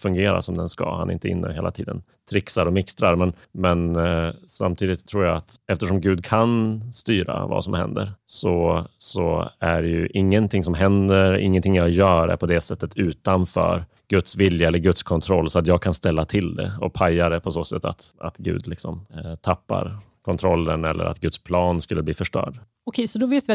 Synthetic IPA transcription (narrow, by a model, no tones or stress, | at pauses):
fɵŋɡeːɾa̰sɔmd̪ɛnska̰ha̰nɛʔɪnt̪əɪ̰nːə̰heːla̰t̪ʰiːd̪ən | t̪ʰɾɪksaɾɔmɪkst̪ɾaɾmɛn | mɛnsamt̪ʰiːd̪ɪt̪ʰːɾuːɾjaat̪ɛft̪əʂɔmɡʉ̟ːd̪kʰanst̪yːɾa̰va̰sɔmhɛ̰nd̪əɾsɔsɔæɖɛjɵʔɪŋːənt̪ʰɪŋsɔmɦɛnd̪əɾɪ̰ŋːənt̪ʰɪŋjɑjœːɾæ̰ɾpʰɔd̪ɛsɛt̪ːət̪ʰʉ̟ːt̪anfœ̰ːɾ | ɡ̥ɵt̪svɪljaɛlːəɾɡɵt̪skʰɔnt̪ʰɾɔlːsɔat̪jɑːɡ̚kʰanst̪ɛlːat̪ʰɪld̪ɛ̰ɔpʰajːad̪ɛpʰɔsoːsɛt̪ːa̰t̪a̰t̪ɡʉ̟̰ːd̪lɪksɔmt̪ʰapːa̰ɾkʰɔnt̪ʰɾɔlːənɛlːʔə̰ɾa̰t̪ɡɵt̪spʰlɑːnskɵlːəbliːfœʂʈœ̰ːɖ | ɔkʰɛsɔd̪ɔveːt̪vɪ